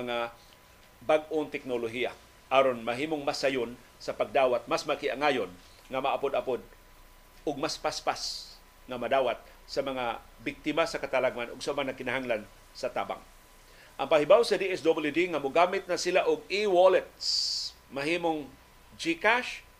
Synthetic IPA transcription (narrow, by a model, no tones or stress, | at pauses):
mɐŋa | baɡ̚ʔoŋt̪ɛk̚noloɦija̰ | ʔaːɾonmaɦiːmoŋmasajʊn | sapaɡ̚d̪aːwat̪̚masmakɪʔa̰ŋajon | ŋamaʔapod̪apod̪̚ | ʊɡ̚maspaspas | ŋamad̪aːwat̪̚ | samɐŋa | bɪk̚t̪ɪmasakat̪alaɡ̚manʔʊɡsamaŋnakɪnaɦaŋlan | sat̪a̰ːba̰ŋ | ʔaŋpahibawsad̪iʔɛsd̪obɪljud̪iŋamʊɡamɪt̪̚nasɪlaʔʊɡ̚iwolɛt̪̚s | maɦiːmoŋ | d͡ʒikaʃ